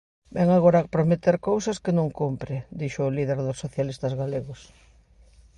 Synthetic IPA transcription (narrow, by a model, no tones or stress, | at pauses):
bɛŋaɣoɾapɾomet̪eɾkowsɐskɪnõŋkumpɾɪd̪iʃʊːliðeɾðʊsːoθjalist̪ɐzɣaleɣʊs